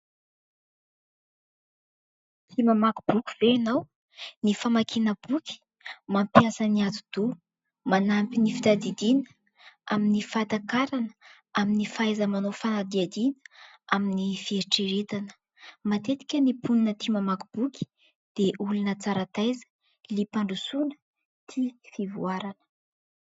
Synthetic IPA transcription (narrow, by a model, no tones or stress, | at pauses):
t̪ʰimamaku̥b̥ukʲu̥v̥eanaw | nifamakʰinəbukʲi̥ | mampijasəniat̪ud̪̥u | manampinifit̪ad̪id̪inə̥ | aminifat̪akaɾanə | aminifaajzəmanofanad̪iad̪inə̥ | aminifieɾiʈ͡ʂeɾet̪anə̥ | mat̪et̪i̥kʲənipʰuninət̪imamakub̥ukʲi̥ | d̪̥eʔulunət͡saɾat̪ajzə̥ | lipaɳɖ͡ʐusunə̥ | t̪ʰifivuaɾanə̥